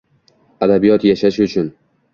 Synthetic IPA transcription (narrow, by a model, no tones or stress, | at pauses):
ad̪abijɒt̪jaʃaʃʊt͡ʃʰʊn